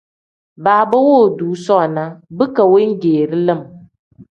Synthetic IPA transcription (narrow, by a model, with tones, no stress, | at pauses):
baː˨bə˦wo˦˨duː˨˦sɔ˦˨na˦bɨ˦ka˨we˦ŋ̩˦ɡeː˨ɾɨ˦lɨ˦˨m